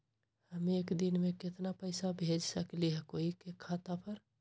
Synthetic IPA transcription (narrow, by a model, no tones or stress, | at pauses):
həmeeːkd̪ɪnmẽkɪt̪napəɪsabʱeːd͡ʒsəkliɦɛkoːikekʰːaːt̪apʰəɾ